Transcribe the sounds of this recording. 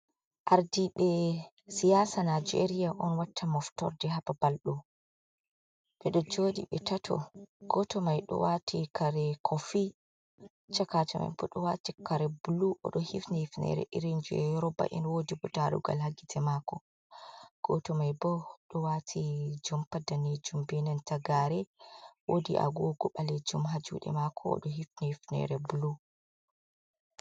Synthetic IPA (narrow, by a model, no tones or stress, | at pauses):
ʔaɾdiɓɛ | sijasanad͡ʒḛɾijaʔɔnwatʰːamɔftɔ̰ɾdɛɦapabalɗu | ɓɛɗɔd͡ʒoːdḭɓɛtatʰɔ̰ɡ̥ɔtɔmajɗɔ̰watʰikʰaɾɛkʰɔfi | t͡ʃakat͡ʃɔma̰jbɔɗɔwatikaɾɛbuluʔɔ̰ɗɔhifnihifnɛ̰ɾɛ̰ʔiɾind͡ʒuɛɾɔba̰ʔinwodibutaɾṵɡa̰lhaɡitʰɛmakɔ | ɡ̥ɔtɔmajbɔɗɔwatʰid͡ʒɔmpadaned͡ʒumbɛnɛntaɡaɾɛwodiʔa̰ɡoɡɔɓaled͡ʒumɦad͡ʒṵɗɛ̰makʰɔɔ̰ɗɔɦifnihifnɛ̰ɾɛbulu